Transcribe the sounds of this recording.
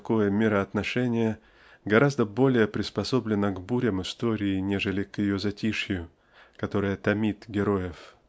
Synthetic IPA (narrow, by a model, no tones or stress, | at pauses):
kojəmʲɪɾəɐt̪nɐʂɛnʲɪjə | ɡɐɾʔazd̪əbo̞lʲɪjəpɾʲɪspɐso̞blʲɪnːəɡbuɾʲəmɨst̪o̞ɾʲɪːnʲeʐɨlʲɪkjɪjozɐtʲiʂjʊ | kɐt̪o̞ɾɨjət̪ɐmʲit̪ɡʲɪɾo̞jɪf